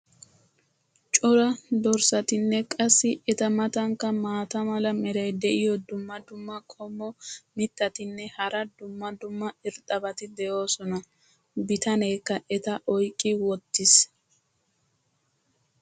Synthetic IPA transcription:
t͡ʃʼɔɾɐd̪ɔɾsɐt̪ɪnːɛkʼɐsːɪɛt̪ɐmɐt̪ɐŋkːɐmaːt̪ɐmɐlɐmɛɾɐjd̪ɛʔɪjɔd̪ʊmːɐd̪ʊmːɐkʼɔmːɔmɪt̪ːɐt̪ɪnːɛhɐɾɐd̪ʊmːɐd̪ʊmːɐɪɾt̪ʼɐbɐt̪ɪd̪ɛjo̞ːsɔnɐ | bɪt̪ɐneːkːɐʔɛt̪ɐʔɔjkʼːɪwɔt̪ːɪs

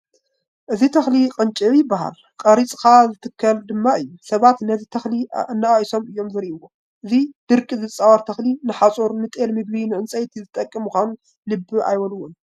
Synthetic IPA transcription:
ʔɨzit̪ʰɐxliqʼɨnt͡ʃʼiwjɪbːaɦa̰l | kʼɐɾit͡sʼkʰazɨt̪ʰɨkʰːɐld̪ɨmːaɨjːusɐβat̪nɐzit̪ʰɐxlinːaaʔso̞mɨjːo̞mzɐɾiʔɨwːo | ʔɨzid̪̥ɨɾkʼizɨt͡sʼawɐɾt̪ʰɐxlinɨħat͡sʼoɾnɨt̪ʼelmɨɡlinɨʕɨnt͡sʼɐjt̪ʰizɨt̪ʼɐkʼːɨmːɨxʷanu | lɨbːɨa̰jwɐluwːun

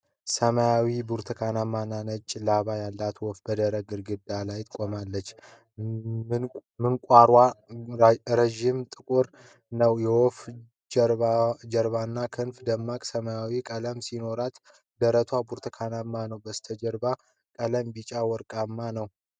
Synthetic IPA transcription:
səmajawibuɾt̪ʰəkʰanamːananət͡ʃʼːlaβajalːat̪wɔfbəd̪əɾəɡɨɾɡɨd̪alajt̪ʰʼkʼomalːət͡ʃː | mɨŋkʷʼaɾwa | ɾəʒimt̪ʼɨkʼuɾ | nəwjɛwɔf | d͡ʒɾad͡ʒəɾbanːakʰɨnfd̪əmːakʼsəmajawikʼələmsino̞ɾat̪ | d̪əɾət̪ʰwabuɾt̪ʰəkʰanamːanəwbəst̪ʰəd͡ʒəɾba | kʼələmbit͡ʃʼawɔɾkʼamːanəw

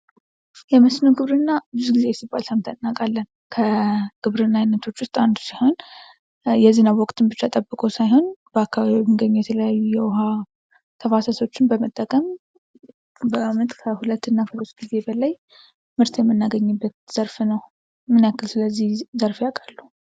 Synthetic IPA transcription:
jɛməsnəwɡɨβɾɨnːabɨzuɡize̞jɛsibːalsamt̪ʰanːakʼalːən | kʰəɡ̥ɨβɾɨnːajnːət̪ʰo̞t͡ʃːwʊst̪ʼand̪siho̞n | jɛzɨnawɔkʼt̪ʰɨnbɨt͡ʃːat̪ʼəbːɨkʼosajho̞nb̥əakːaβaβimːɨnɡəɲːujɛt̪ʰələjajːujɛwʊɦa | t̪ʰəfasaso̞t͡ʃːɪnbəmət̪ʼːəkʼəm | bəamət̪ʼkʰəhulət̪ːɨnːafʰəzot̪ɡ̥ize̞bəlaj | mɨɾt̪ʰjɛmːɨnːaɡəɲːɨbːət̪z̥əɾfnəw | mɨnakːɨlsɨləzːihzəɾfjakʼalːu

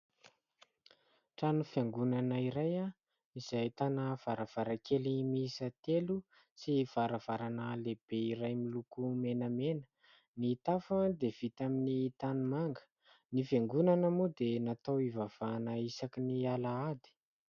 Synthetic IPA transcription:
ʈ͡ʂanufjaŋɡunanaiɾaja | izajt̪anəv̥aɾav̥aɾakʰelimisat̪elu | siv̥aɾav̥aɾanəleb̥eiɾajmilukumenəmenə̥ | nit̪afad̪ev̥it̪aminit̪anumaŋɡə̥ | nifeŋɡunanəmud̪enat̪awivav̥anaisakinialaad̪i̥

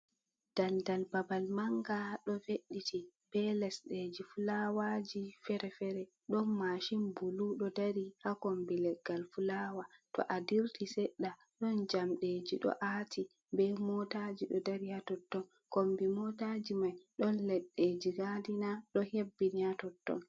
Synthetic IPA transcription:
d̥andalbabalmaŋɡaɗɔfeɗːitib̥ɛlɛsɗed͡ʒifulawad͡ʒifɛɾɛfɛɾɛ | ɗɔnmaʃimbuluɗɔdaɾihakombilɛɡːalfulawatɔ̰ʔadiɾtʰisɛɗːa | ɗɔnd͡ʒamɗed͡ʒiɗɔ̰ʔaːtʰi | bɛmɔtad͡ʒiɗɔdaɾihatɔtːɔn | kombimɔtad͡ʒimajɗɔnlɛɗːed͡ʒiɡadinaɗɔhebːinihatɔtːɔ̰n

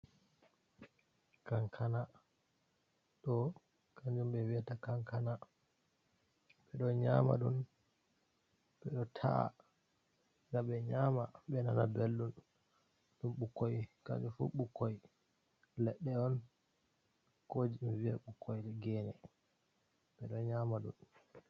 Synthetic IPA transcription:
kaŋkʰana | ɗɔ | kaɲd͡ʒumɓɛwiatakaŋkana | ɓɛɗɔɲama̰ɗun | ɓɛɗɔtʰa̰a̰ | ɡaɓɛɲamaɓɛnanabelɗun | ɗumɓukːojka̰ɲd͡ʒufṵɓukːoj | lɛɗːɛɔn | kod͡ʒimvia̰ɓukːɔjɗɛɡɛːnɛ | ɓɛɗɔɲaːmaɗṵn

